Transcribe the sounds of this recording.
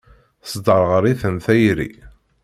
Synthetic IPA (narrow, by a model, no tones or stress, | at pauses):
sd̪əɾˤʁəɾiθənθæjɾḭ